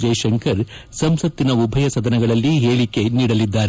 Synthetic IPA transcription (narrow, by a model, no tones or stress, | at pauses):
d͡ʒɐjʃɐŋkɐɾsɐmsɐt̪ːinɐubʱɐjɐsɐd̪ɐnɐɡɐɭɐlːiɦeːɭikeniːɽɐlid̪ːaːɾe